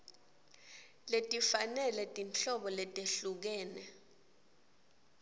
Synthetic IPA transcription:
letʼifanɛlɛtʼint͡ɬɔɓɔlɛtʼeɬuk̬ɛːnɛ

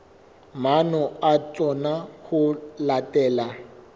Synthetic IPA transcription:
manɔat͡sɔnahʊlatʼɛːla

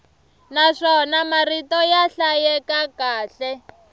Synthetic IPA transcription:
naʂɔnamaritɔjaɬajɛkakaːɬɛ

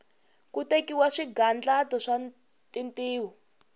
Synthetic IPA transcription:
kutekiwaʂiɡand͡ɮatɔʂa | tintiːwɔ

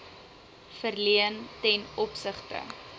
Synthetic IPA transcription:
fərliəntɛnɔpsəχtə̰

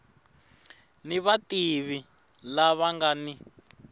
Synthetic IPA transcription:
niβatiβi | laβaŋɡani

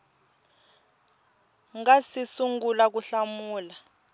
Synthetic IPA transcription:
ŋɡasisuŋɡulak̬uɬamuːla

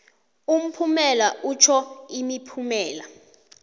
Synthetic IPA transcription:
um̩pʰumɛlaʔut͡ʃʰɔimipʰumɛːla̰

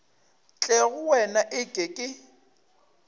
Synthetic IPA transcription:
t͡ɬʼɛɣʊwɛnaʔɪkʼekʼɪ

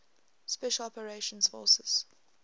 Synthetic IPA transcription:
spɛʃəlɔpəɹeʃə̃nsfɔ̰səz̥

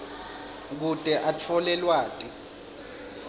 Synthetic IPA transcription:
k̬utʼɛʔat͡fʰɔlɛlwaːtʼi

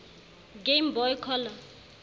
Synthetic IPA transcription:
ɡembɔjkʰɔla

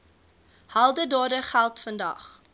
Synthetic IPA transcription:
hɐlˠdədɑːdəχælˠtfəndɐ̰χ

